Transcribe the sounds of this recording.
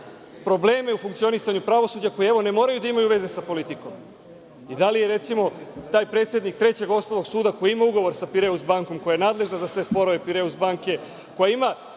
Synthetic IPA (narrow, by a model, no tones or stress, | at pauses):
pɾo̞ble̞ːme̞ufuŋkt̪sio̞nisaɲupɾaʋo̞suːd͡ʑako̞jeeʋo̞ne̞mo̞ːɾajud̪aimajuʋe̞zesapo̞lit̪iko̞m | id̪alije̞ɾe̞t̪simo̞t̪aːjpɾe̞ːt̪sje̞d̪nik̚t̪ɾe̞t͡ɕe̞ɡo̞st̪olo̞ɡsuːd̪ako̞jiimauɡo̞ʋo̞ɾsapiɾeuzbaŋko̞mko̞jajenaːd̪le̞ʒnazasʋe̞spo̞ɾoʋe̞piɾeusbaŋke̞ | ko̞jaima